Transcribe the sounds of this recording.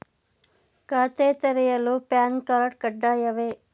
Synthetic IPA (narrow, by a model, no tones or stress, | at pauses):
kaːt̪eːt̪ɐɾɛjɐlupaːnkaːɾɐʈ̚kɐɖːaːjɐʋeː